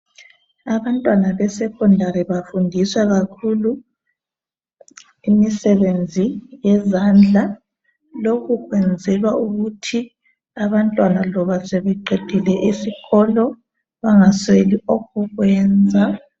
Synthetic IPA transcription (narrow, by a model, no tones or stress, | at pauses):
aβantʼwanaβɛsɛkʰʼɔndʱaɾiβafundʱiswaɣakʰulu | imisɛβend͡zʱijɛzand͡ɮʱa | lokʰuɣwɛnd͡zʱɛlwauɣutʰi | aβantʼwanalɔβasɛβɛǃed̥ʱilɛʔisiɣɔlɔ | βaŋasweliɔkuɣwɛːnd͡zʱa